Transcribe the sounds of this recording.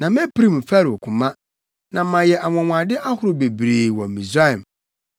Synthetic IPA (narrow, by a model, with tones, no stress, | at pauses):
nã˨mɛ˦pi˦ɾĩ˦m̩˨fa˦ɾɔ˨kʰʊ̃˨mã˦ | nã˨˦mã˨jɛ˨ʔa˨mɔ̃˨mʷ˨ã˨dɪ˦ʔa˦hʊ˦ɾʊ˨be˨bɾeː˨wɔ̃˨mĩ˨sa˦ɛ˨m